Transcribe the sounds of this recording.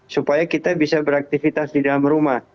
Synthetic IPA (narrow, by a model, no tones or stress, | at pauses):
supajakit̪abisabəɾak̚t̪ifit̪asdidalamrumah